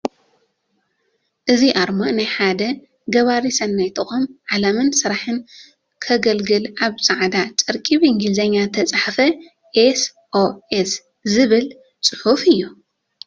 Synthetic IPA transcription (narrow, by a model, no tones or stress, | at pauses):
ʔɨziʔaɾmonajħad̪ɐ | ɡɐβaɾisɐnːajt̪ʰɨxomʕalɐmɨnsɨɾaħɨn | kʰɐɡɐlɡɨlaβsʼaʕd̪at͡ʃʼɐɾkʼiβɨŋɡɨlzɐɲːat̪ʰɐt͡sʼaħfɐ | ʔes | ʔoʔes | zɨβɨl | t͡sʼɨħufɨjːu